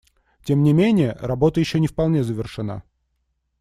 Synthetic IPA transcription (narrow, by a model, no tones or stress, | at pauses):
tʲe̞mnʲɪmʲenʲɪjəɾɐbo̞t̪əjɪɕːonʲɪfpɐlˠnʲe̞zəvʲɪrʂɨna̰